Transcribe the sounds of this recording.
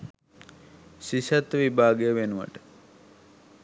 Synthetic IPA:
siʃat̪ːʋibʱaːɡəjəʋenuʋə̰ʈə̥

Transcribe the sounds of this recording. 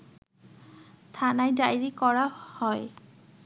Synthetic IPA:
t̪ʰanajdajɹikɔɹahɔj

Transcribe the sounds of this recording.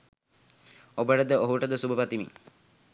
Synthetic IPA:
obəʈəd̪əʔoɦuʈəd̪əsubəpat̪imḭŋ

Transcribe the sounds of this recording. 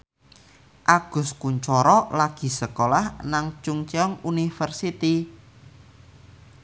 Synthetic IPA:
ʔaɡ̥ʊ̤skuɲt͡ʃɔɾɔlaɡ̥i̤səkolahnaŋt͡ʃʊŋt͡ʃeɔŋunifərsit̪i

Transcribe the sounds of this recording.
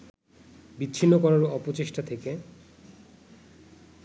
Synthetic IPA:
bitːɕʰinːokɔɾaɾɔpot͡ɕeʃʈat̪ʰeke

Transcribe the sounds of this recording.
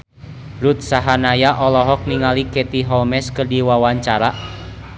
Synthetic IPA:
ɾut̪̚saɦanajaʔɔlɔɦɔk̚niŋalikɛt̪iɦɔlmɛskɨrdiwawaɲt͡ʃaɾa

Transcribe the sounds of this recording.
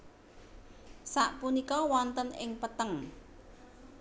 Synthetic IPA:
saʔpunikɔwɔnt̪ənɪŋpət̪əŋ

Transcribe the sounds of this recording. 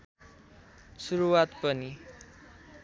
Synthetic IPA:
suɾuwat̪pʌni

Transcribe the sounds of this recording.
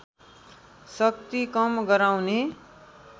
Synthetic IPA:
sʌk̚t̪ikʌmɡʌɾawne

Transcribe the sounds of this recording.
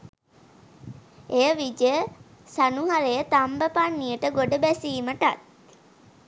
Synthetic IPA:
ejəʋid͡ʒə | sanuɦaɾejət̪ambəpanːijəʈəɡoɖəbæsiːməʈa̰t̪̚

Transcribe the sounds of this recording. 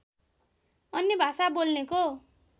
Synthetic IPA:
ʌnːebʱasabolneko

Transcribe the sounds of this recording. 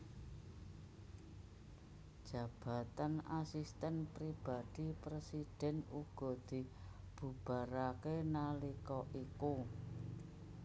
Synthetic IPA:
d̥ʒ̥a̤b̥a̤t̪anasist̪ɛnpɾib̥a̤d̪̥i̤pɾesid̥ɛ̤nuɡ̥ɔ̤d̪̥i̤ | b̥ṳb̥a̤ɾakenalikɔʔiku

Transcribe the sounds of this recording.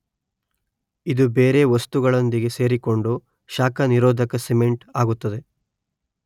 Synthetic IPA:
id̪ubeːɾe̞ʋɐst̪uɡɐɭond̪iɡe̞se̞ːɾiko̞ɳɖu | ʃaːkɐniɾoːd̪ʱɐkɐseme̞ɳʈaːɡut̪ːɐd̪e̞

